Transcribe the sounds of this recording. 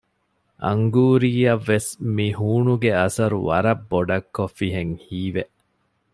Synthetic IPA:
ʔɐ̰ŋɡuːɾiːɐʋːesmihuːɳuɡeɐsɐɾṵʋɐɾɐbːoɖɐkːofːiɦeŋhiːʋeʔ

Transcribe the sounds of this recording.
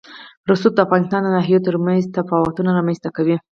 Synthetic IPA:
ɾʊsut̪̚d̪əafɣɑnɪst̪ɑnd̪ənɑɦijet̪əɾmanzt̪afɑwat̪unaɾɑmanzt̪akawi

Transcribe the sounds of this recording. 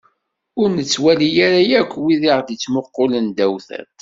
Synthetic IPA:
ʊɾnət͡sːwælijaɾajækʷːwiðiʁd̪it͡sːmoqːolənd̪æwθæ̰t̪

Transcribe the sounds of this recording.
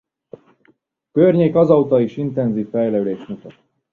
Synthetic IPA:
kørɲeːkɒzɒut̪ɒiʃint̪ɛnziːfːɛjlɛyleːʃmut̪ɒt̪

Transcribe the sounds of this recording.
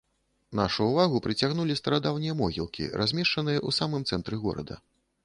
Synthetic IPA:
naʂuːvaɣupɾɨt͡sʲaɣnulʲist̪ɐɾad̪awnʲijɐmɔɣʲḭlˠkʲḭɾazʲmʲɛʂt͡ʂɐnɨjɐʔusamɨmt̪sɛnt̪ɾɨɣɔ̰ɾɐ̰d̪ɐ̰

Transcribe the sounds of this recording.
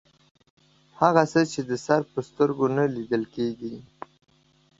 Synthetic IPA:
haɣasət͡ʃed̪əsaɾpəst̪əɾɡonalid̪əlkeɡi

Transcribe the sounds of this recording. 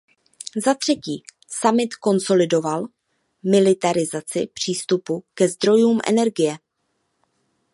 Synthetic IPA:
zat̪r̝̥ɛciː | samɪt̪ko̞nso̞lɪdo̞val | mɪlɪt̪aɾɪzat͡sɪ̰pr̝̥iːst̪upukɛzd̪ɾo̞juːmʔɛ̰nɛɾɡɪjɛ

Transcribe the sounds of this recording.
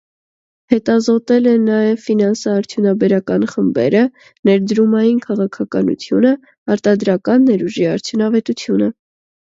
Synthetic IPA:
hɛt̪ɑzɔt̪ɛlɛnɑjɛvfinɑnsɑːɾt͡sʰjunɑbɛɾɑkɑnχəmbɛ̰ɾə | nɛɾd̪ɾumɑjinkʰɑʁɑkʰɑkɑnṵt͡sʰjunə | ɑɾt̪ɑd̪ɾɑkɑnːɛɾuʒiɑɾt͡sʰjunɑvɛt̪ut͡sʰjunə

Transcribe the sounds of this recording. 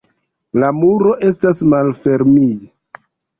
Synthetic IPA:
lamuɾo̞ʔe̞s̬tasmalfe̞ɾmij

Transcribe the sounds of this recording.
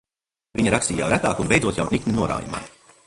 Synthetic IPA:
viɲɐɾakst̪iːja̰wɾæt̪aːkunbejd̪zuɔt̪ja̰wnik̪nʲinuɔɾa̰ːjṵma̰ː

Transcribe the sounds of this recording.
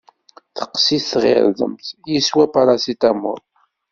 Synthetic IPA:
θə̥qːsiθθʁɪ̰ɾðˤə̰mθjiswæpɑɾˤɑsit̪æmʊ̰ɾˤ

